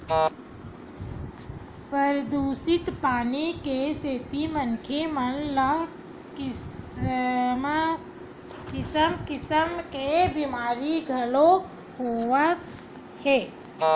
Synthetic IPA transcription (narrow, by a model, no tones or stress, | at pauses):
pəɾd̪uːsɪt̪paːnikeseːt̪imənkʰemənlə | m | kɪsəmkɪsəmkebɪmaːɾiɡʱəlo | ɦoːʋə | hɛː